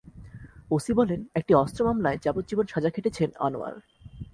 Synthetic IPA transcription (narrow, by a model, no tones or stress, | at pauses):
osibɔlenek̚ʈiɔst̪ɾomamlaed͡ʑapot̪̚d͡ʑibonʃad͡ʑakʰeʈet͡ɕʰena̰no̰a̰l